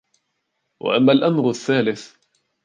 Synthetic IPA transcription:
wa̰ʔamːalʔamɾaθːaːlɪθ

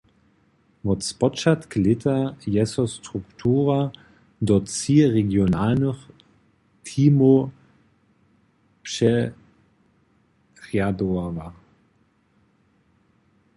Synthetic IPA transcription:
mɔtt͡spɔt͡ʃat̪klɪt̪ʰajɛsɔstʁuktʰuːʁa | dɔt͡siːʁeɡjonaːlnəχ | tʰiːmo | pʃɛ | ʁjadoava

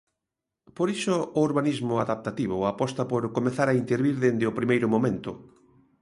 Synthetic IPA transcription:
poɾisʊːɾβanizmʊaðap̚t̪at̪iβʊapɔst̪ɐpoɾkomeθaɾaint̪eɾβiɾðend̪ɪopɾimejɾʊmomẽnt̪ʊ

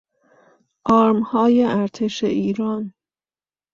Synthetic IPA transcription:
ʔɒːɾmhɒːjeʔæɾt̪ʰe̞ʃeʔiːɾɒːn

